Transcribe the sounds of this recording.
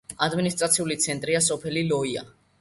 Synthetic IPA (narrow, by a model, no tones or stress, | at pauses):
ad̪minist̪ʼɾat̪sʰiulit̪sʰɛnt̪ʼɾias̬ɔpʰɛlilɔia̰